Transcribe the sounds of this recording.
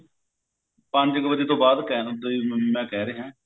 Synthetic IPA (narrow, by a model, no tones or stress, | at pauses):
pəɲd͡ʒɪkbəd͡ʒeːt̪õːbaːd̪kɛd̪emɛ̃ːkɛːɾeːɦɛ̃ː